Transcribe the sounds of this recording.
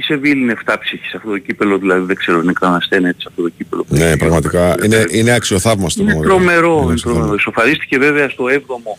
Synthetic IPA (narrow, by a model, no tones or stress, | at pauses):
ise̞vilineft̪ɐpsiçi̥sɐft̪ot̪o̞cipe̞lo̞ðilɐðiðeɡ̥ze̞ɾoinekɾɐnɐsθenet̪i̥sɐft̪o̞t̪o̞cipelonepɾɐɣmɐt̪ikɐineine̞ɐksio̞θɐvmɐst̪onemɐt̪t̪ɾo̞me̞ɾo̞inet̪ɾomeɾoiso̞fɐɾist̪i̥ce̞ve̞veɐst̪o̞evðo̞mo̞